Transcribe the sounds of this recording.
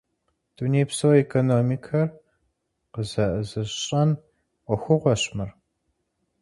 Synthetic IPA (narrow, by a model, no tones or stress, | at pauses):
d̥ʰuneːjpsowekʰonoːmikʰɐr | qəzɐʔəzɨɕʼɐnʷ | ɔxʷʊʁʷɔɕmɨr